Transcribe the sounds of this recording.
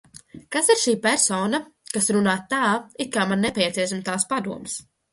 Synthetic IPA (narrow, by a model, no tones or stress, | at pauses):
kasiɾʃiːpɛɾsɔːnakasɾunaːt̪ːaːit̪̚kaːmanːɛpʲɛt̪sʲiɛsimt̪aːspad̪uɔms